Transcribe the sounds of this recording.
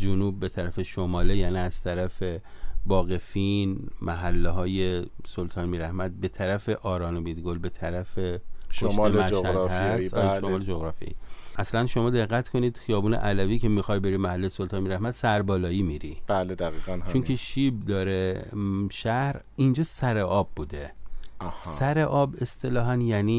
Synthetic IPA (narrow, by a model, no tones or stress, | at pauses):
d͡ʒonuːb̚ːet̪ʰæɾæfeʃomɒːlejæːniæz̥t̪ʰæɾæfe̞bɒːɣe̞finmæɦælːeɦɒːje̞solt̪ʰɒːnmiːɾæhmæd̪̚be̞t̪ʰæɾæfe̞ʔɒːɾɒːnobid̪ɡolbe̞t̪ʰæɾæfekʰoʃmæʃæɾhæsloɒːled͡ʒoɣɾɒːfḭḛiʔæslænʃomɒːd̪e̞ɣːæt̪kʰo̞niːd̪̥xijɒːbuːnḛʔælæviːcʰe̞miːxɒjbeɾimæhælːejsolt̪ʰɒːnmiːɾæhmæd̪̥sæɾbɒːlɒːiːmiɾḭb̥æled̪æɣiːɣænt͡ʃt͡ʃʰonkʰeʃib̚d̪ɒːɾe | ʃæhɾ | ind͡ʒɒːsæɾeʔɒːb̚ːuːd̪e | sæɾeʔɒːbe̞st̪ʰe̞lɒːɦænjæniː